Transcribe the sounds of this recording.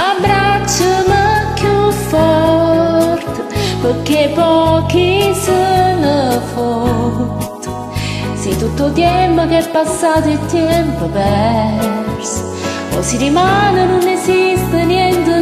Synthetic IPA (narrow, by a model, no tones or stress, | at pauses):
abɾat͡ʃːəməkʰufɔ | ɾt̪əpoɾkepɔkisənəfo | t̪u̥ | sit̪ut̪ːot̪jɛmpokɛɾpasat̪et̪ːjeɛmpobɛ | ɾs | o̰siɾimanənunezist̪ənjɛnt̪ə